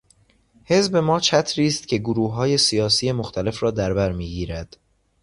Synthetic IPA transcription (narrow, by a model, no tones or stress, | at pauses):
he̞zbe̞mɒːt͡ʃʰæt̪ʰɾiːst̪cʲʰe̞ɡoɾuːɦɒːje̞sijɒːsije̞moxt̪ʰæle̞fɾɒːd̪æɾbæɾmiːɡiːɾæd̪̥